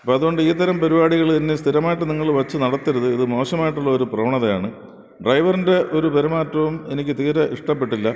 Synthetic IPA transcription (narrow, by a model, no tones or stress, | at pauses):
ɐpːoɐðuɣo̞ɳɖɨiːt̪ːɐɾɐmpɐɾibaːɽiɣɐɭt̪ɐnːɨst̪ʰiɾɐmaːjiʈːɨniŋːɐɭʋɐt͡ɕːɨnɐɽɐt̪ːiɾɐðɨiðɨmo̞ːɕɐmaːjiʈːuɭːɐoɾuprɐʋɐɳɐðɐjaːɳɨ | ɖrɐjʋɐrinde̞ʔo̞ɾubeɾumaːtːɐʋume̞nikʲːɨt̪iːɾɐʔiʂʈɐp̬ːe̞ʈːilːɐ